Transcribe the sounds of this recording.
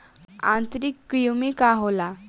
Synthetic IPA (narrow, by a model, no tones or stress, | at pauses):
ã̰nt̪ɾikːɾiumikaɦola